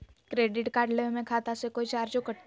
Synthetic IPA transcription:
kɾeːɖɪʈkaːɾɖlemẽkʰaːt̪asekoːit͡ʃaːɾd͡ʒokəʈ

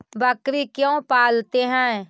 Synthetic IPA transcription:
bəkɾikjõpaːlt̪eɦɛ̃

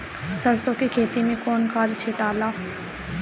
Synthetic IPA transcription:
səɾsokikʰeːt̪imẽkoːnkʰaːd̪t͡ʃʰeːʈaːlaː

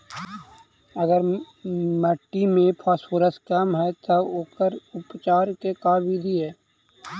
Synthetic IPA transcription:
əɡəɾ | məʈːimẽpʰaːsfoːɾəskəmɦɛt̪ooːkəɾʊpt͡ʃaːɾkekaːbiːd̪ʱiɦɛː

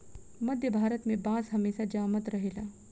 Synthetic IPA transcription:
məd̪ʱjəbʱaɾət̪mebãd͡zɦəmesad͡ʑamət̪ɾəɦela

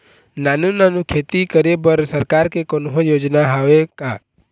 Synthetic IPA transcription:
nanũnanũkʰeːt̪ikəɾebəɾsəɾkaɾkekonɦõjoːd͡ʒnaɦaʋeka

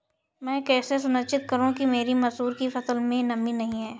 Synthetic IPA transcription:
mɛ̃ːkɛːses̬ʊnətʃɪt̪̚kɐɾũkimeːɾimɐzɦuːɾkifɐsəlmẽnɐminɐɦĩɦɛː

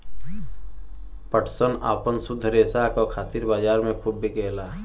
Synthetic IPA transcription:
pəʈʰsəna̰ːpənsʊd̪ʱːəɾeːsakokʰaːt̪iɾbaːd͡ʒaːɾmẽpʰuʈ̚bʱikeːla

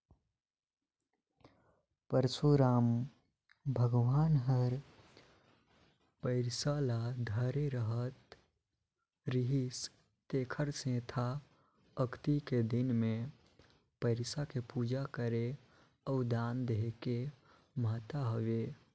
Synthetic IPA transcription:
pəɾsuɾaːm | bʱəɡʋaːnɦəɾ | pəɪɾsalad̪ʱəɾeɾəɦət̪ | ɾiɦis | t̪eːkʰəɾsẽt̪ʰa | əkt̪iked̪inmẽ | pəɪɾsakepud͡ʒakəɾe | ɔʊd̪and̪eɦke | mət̪aɦəʋe

